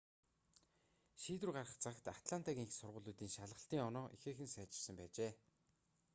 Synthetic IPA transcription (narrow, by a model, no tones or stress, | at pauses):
ʃiːt̪ɘ̆rɢarə̆χt͡sʰakt̪at̪ɮant̪ʰaɣʲiːŋxsʊrʁʊːɮuːt̪iːŋʃaɮʁə̆ɬt̪iːŋɔnɔːʔixeːxɘ̆nsæːt͡ɕɪ̥̆rsə̆mpæːt͡ɕeː